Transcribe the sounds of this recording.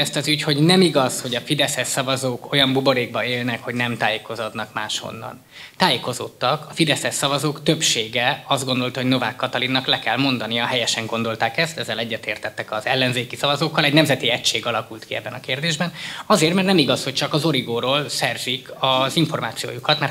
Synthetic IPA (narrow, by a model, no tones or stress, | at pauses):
ɛst̪ɒzycho̞ɟnɛmiɡɒzho̞ɟɒfid̪ɛsɛsːɒvɒzoːkojɒmbubo̞ɾeːɡ̚bɒeːlnɛkho̞ɟnɛmt̪aːjeːko̞zod̪nɒkmaːʃho̰nːɒ̰n | t̪aːjeːko̞zot̪ːɒkʰɒfid̪ɛsɛsːɒvɒzoːkt̪ø̞pʃeːɡɛɒzd̪ɡo̞nd̪o̞lt̪ho̞ɟno̞vaːkːɒt̪ɒlinːɒklɛkɛlmo̞nd̪ɒnijɒɦɛjɛʃɛŋɡo̞nd̪o̞lt̪aːkɛst̪ɛzːɛlɛɟːɛt̪eːrt̪ɛt̪ːɛkɒzɛlːɛnzeːkisɒvɒzoːkːɒlɛɟnɛmzɛt̪iɛcʃeːɡɒlɒkult̪kiɛbːɛnɒkeːrd̪eːʒbɛnɒzeːrt̪mɛrt̪nɛmiɡɒsho̞c̚t͡ʃɒkɒzo̞ɾiɡoːɾoːlsɛrzikɒziɱfo̞rmaːt̪sijo̰ːjukɒt̪mɛr